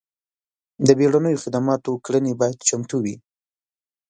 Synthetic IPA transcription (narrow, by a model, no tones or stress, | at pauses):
d̪əbeɽanəjoxɪd̪amɑt̪okɽənebɑjad̪t͡ʃamt̪uwi